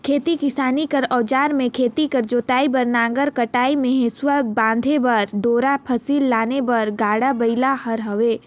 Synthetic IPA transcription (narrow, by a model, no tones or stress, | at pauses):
kʰeːt̪ikɪsaːnikɐɾɔːd͡ʒaːɾmẽkʰeːt̪ikɐɾd͡ʒoːt̪aːibɐɾnaːŋɡəɾkɐʈaːimẽɦẽswəbãːnd̪ʱebɐɾɖoːɾapʰɐsiːlːaːnebɐɾɡaːɽabɐɪlahɐɾɦɐʋeː